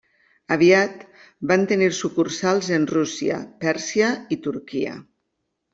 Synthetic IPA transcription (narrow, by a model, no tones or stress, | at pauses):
aβ̞iat̪ | bant̪eniɾsukuɾsalˠzenrusia̰pɛɾsiait̪uɾkiə̰